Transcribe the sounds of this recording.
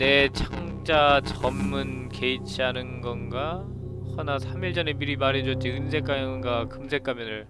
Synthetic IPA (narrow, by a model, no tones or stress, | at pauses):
ne̞t͡ɕʰaŋ | d͡ʑat͡ɕʌmːɯn | ke̞it͡ɕʰiɦanɯnɡʌnɡa | hʌnasʰamiɭd͡ʑʌnemiɾimaɾed͡ʑʌt̚t͡ɕ͈iɯnsʰe̞k͈amjʌnɯnɡakɯmsʰe̞k͈amjʌnɯɭ